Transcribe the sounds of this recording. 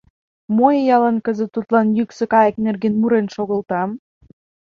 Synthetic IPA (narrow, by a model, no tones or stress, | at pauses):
mojejɑlɑnkə̆zə̆t̪ːut̪lɑnjyksɤ̆kɑjeknerɣenmuɾenʃoɣə̆lt̪ɑm